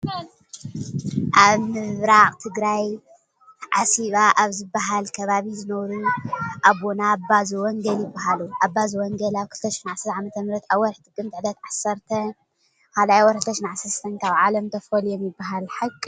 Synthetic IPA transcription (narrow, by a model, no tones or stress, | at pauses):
ʔaβmɨβɾaqʼt̪ʰɨɡɾaj | ʕasiβaʔaβzɨbːaɦalkʰɐβaβizɨnɐβɾuʔaβːonabazuwɔŋɡɐljɪbːaɦaluʔabːazuwɔŋɡɐlaβkʰɨlt̪ʰɐʃɪ̥ħnʕasɐɾt̪ʰaʕamɐt̪ʰɐmɾɐt̪aβwɔɾħt̪ʰɨkʼːɨmt̪ʰʕd̪ɐt̪ʕasːɐɾt̪ʰɐ | kʰalajwɔɾkɨlt̪ʰːɐʃinʕasɐɾst̪ʰɐnkʰaβʕalɐmt̪ʰɐfɐljɛmjɪbːaɦalħɨkʼː